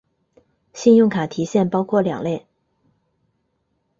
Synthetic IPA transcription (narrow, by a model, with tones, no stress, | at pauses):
ɕi˥˧njʊ˥˩ŋkʰa˨˩t̪ʰi˧˥ɕjɛ˥˩npɑ˥ʊkʰwɔ˥˩ljɑ̰˨˩ŋle˥˩ɪ